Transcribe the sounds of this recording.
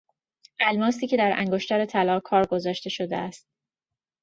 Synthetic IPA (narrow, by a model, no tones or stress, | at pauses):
ʔælmɒːsiːcʰe̞d̪æɾæ̰ŋɡo̞ʃt̪ɒɾet̪ʰælɒːkʰɒːɾɡo̞zɒːʃt̪e̞ʃo̞d̪ḛæst̪̚